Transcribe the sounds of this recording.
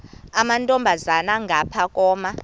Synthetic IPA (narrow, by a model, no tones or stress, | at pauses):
amantʼɔmbʱazanaŋɡʱapʰakʼɔːma